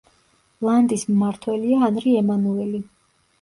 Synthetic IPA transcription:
lˠand̪ismːaɾt̪ʰwɛliaːnɾiɛmanuɛli

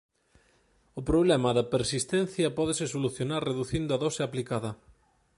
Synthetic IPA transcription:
ʊpɾoβlɛmɐðɐpeɾsist̪ɛnθjɐpɔðɪsɪsoluθjonaɾreðuθind̪ʊɐðɔsɪaplikaðɐ

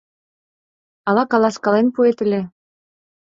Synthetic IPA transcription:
ɑlɑkɑlɑskɑlenpuet̪ɘ̆lʲĕ

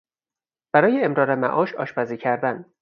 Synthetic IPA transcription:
b̥æɾɒːjeemɾɒːɾemæ̰ʔɒːʃɒ̰ːʃpæziːcʰæɾd̪æn

